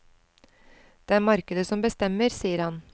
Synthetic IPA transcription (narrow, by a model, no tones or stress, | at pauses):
d̪̥eːæːɾmɑɾkəd̪əsɔmbəst̪ɛməɾsiːəɾhɑn